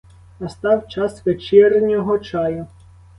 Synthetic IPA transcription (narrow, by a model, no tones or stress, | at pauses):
nɐst̪ɑwt͡ʃɑsʋet͡ʃɛrnʲɔɦɔt͡ʃɑjʊ